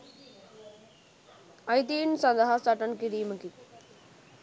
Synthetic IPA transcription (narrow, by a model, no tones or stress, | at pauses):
ɐjt̪̬iːnsɐnd̪əɦasɐʈənkiɾiːməki